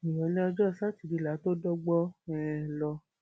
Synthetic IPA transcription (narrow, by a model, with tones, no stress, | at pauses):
ĩ˨jɔ̃˨˦lɛ˦ɔ˧d͡ʒɔ˦˨sa˦˨ti˨di˨˧˨la˨˦to˦dɔ˦ɡ͡bɔ˦ɛ˦lɔ˧